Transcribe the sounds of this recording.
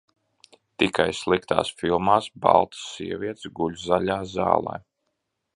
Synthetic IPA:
t̪ikajslˠikt̪a̰ːsfilˠmaːsba̰lˠt̪siɛvʲiɛt̪sɡulʲzalʲaːzɑ̰ːlˠɛ̰j

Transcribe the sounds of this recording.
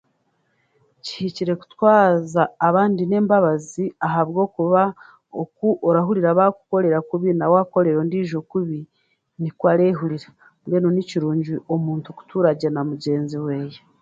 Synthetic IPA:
ci̥hiciɾe̞ku̥twaːzaːβaːndine̞ːmbaβaziaɦaβɡo̞ːkuβa | okuʔoɾaɦuɾiɾaβaku̥ko̞ɾe̞ɾakuβinawaːko̞ɾe̞ɾo̞ndiːʒokuβi | nikwaːɾeːɦuɾiɾa | mɡenoniciɾuːɲɟiʔo̞muːntuku̥tuːɾaɟenamuɟe̞ːnziwe̞ːje

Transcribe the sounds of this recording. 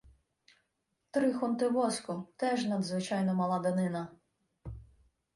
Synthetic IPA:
t̪ɾɪxɔnt̪ɪʋɔsʲkʊt̪ɛʒnɐd̪zʋɪt͡ʃɑjnɔmɐlˠɑd̪ɐnɪnɐ

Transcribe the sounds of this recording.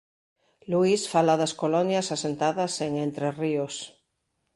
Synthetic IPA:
luisfalaðaskolɔnjasasent̪aðɐseŋẽnt̪ɾerios

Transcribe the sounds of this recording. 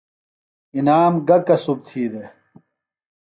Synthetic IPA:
inaːmɡɐkɐsub̚t̪ʰiːd̪e

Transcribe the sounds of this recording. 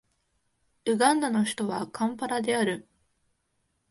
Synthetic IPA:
ɯ̟ɡãnd̪ano̞çi̥t̪o̞βakʰãmpaɾad̪e̞aɾɯ̟

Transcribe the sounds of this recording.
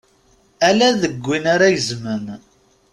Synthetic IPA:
ælæðəɡʷːinaɾajəzmən

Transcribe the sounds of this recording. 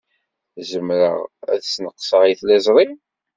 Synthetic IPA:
zəmɾə̰ʁæ̰ðsnəqːsˤəʁjθlæzˤɾˤi

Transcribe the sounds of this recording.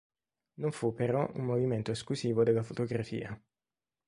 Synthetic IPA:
noɱfupːeɾɔʔṵmːoviment̪oesklusiːvod̪elːafot̪oɡɾafḭːa

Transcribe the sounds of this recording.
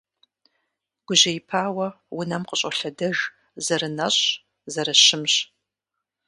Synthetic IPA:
ɡ̥ʷʊʑɐjɪpʰaːwɐ | wʊnɐmqəɕʼɐɬɐdɐʒ | zɐrɨnɐɕʼ | zɐɾɐɕɪmɕ

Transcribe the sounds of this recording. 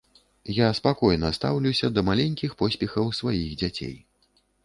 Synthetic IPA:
jaspakɔjnɐst̪a̰wlʲuwsʲɐd̪ɐmalʲenʲkʲixpɔsʲpʲɛxɐwsvajiɣd͡zʲat͡sʲḛj

